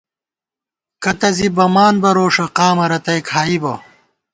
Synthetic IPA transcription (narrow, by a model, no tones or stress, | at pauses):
kɐt̪ɐzibɐmaːnbɐɾoːʂɐqaːmɐɾɐt̪ɐjkʰaːibɐ